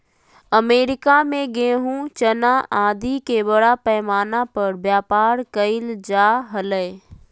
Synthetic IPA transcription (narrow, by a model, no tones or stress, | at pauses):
əmeːɾɪkamẽɡẽːɦũt͡ʃɐnaʔãːd̪ikebəɽapɛːmaːnapɐɾbjaːpaːɾkəɪld͡ʒaːɦɐləɪ